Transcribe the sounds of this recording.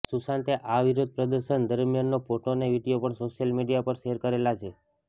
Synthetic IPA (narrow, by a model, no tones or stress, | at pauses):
susãnt̪eʔaʋiɾod̪̚ʱpɾəd̪əɾʃənd̪əɾmijanːofoʈoneʋiɖijopəɳsoʃjəlmiɖijapəɾʃeɦɾkəɾelat͡ʃʰe